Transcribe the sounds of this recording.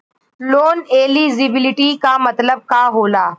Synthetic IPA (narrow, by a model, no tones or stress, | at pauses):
loːneːliːzɪbɪlɪʈikamɐt̪ləb̚kaːɦoːlaː